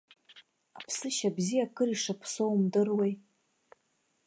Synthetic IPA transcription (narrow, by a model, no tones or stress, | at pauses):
apʰsɨʃabzijakʰɨriʂapʰsowmdɨrwej